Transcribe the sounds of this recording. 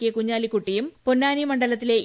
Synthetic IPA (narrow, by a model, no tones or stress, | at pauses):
kːekuɲːaːlikːuʈːijumponːaːnimɐɳɖɐlɐt̪̬ːile̞